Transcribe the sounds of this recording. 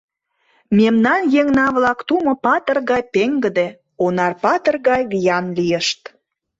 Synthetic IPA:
memnɑnjeŋnɑβlɑkt̪umŏpɑt̪ə̆rɣɑjpeŋɡə̆d̪e | onɑrpɑt̪ə̆rɣɑjβijɑnlijəʃt̪

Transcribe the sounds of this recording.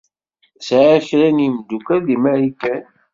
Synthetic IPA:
sʕaçɾænimd̪ukæðimæɾikæn

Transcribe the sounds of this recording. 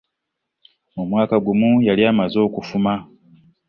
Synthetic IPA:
omwaːkaɡumujaliamazo̞ːkufuma

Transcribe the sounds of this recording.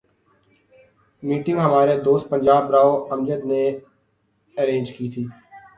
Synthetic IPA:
miːʈɪ̃ŋɡɦəmaːɾed̪oːst̪̚pə̃ɲd͡ʒaːbɾaːoəmd͡ʒəd̪ne | əɾẽːnd͡ʒkiːt̪ʰiː

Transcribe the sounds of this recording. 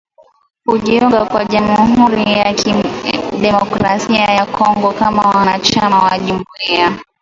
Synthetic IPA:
huʄiuŋɡakwaʄamuhuɾija | ɗɛmɔkɾasiajakʰɔŋɡɔkamawanat͡ʃamawaʄumuia

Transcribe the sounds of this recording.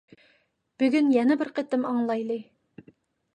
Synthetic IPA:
b̥yɡʲynjɛnɛbɪɾqʰet̪ɪmɑŋlˠɑjlˠɨ

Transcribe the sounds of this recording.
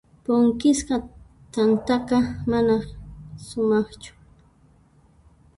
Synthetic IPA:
poŋkɪsqɑ | t̪ant̪aqɑmanasʊmɑχt͡ʃʊ̥

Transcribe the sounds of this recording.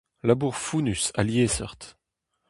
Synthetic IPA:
labuːʁfunysa̰ljesœ̰ʁt̪

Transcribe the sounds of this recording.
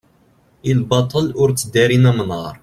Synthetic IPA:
ilbɑt̪ˤəlʊɾt͡sːəd̪æɾinæmənɑɾˤ

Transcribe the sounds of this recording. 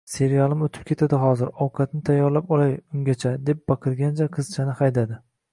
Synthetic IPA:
se̞ɾijalˠɪmot̪ʰɪp̚kʲʰe̞t̪ʰad̪ɪɦɒzɪɾɒwqʰɑt̪nɪt̪ʰajːɒɾlapɒlajʊŋɡʲat͡ʃʰad̪e̞p̚bɑqʰɨɾɡʲant͡ʃʰaqʰɨz̥t͡ʃʰanɪhajd̪ad̪ɪ

